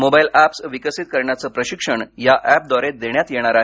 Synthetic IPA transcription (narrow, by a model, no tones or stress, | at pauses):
mobailæpsʋikəsit̪̚kəɾɳjat͡səːpɾəɕikʂəɳjaʔæp̚d̪ɔɾet̪̚d̪eɳjat̪jeɽ̃aɾaɦ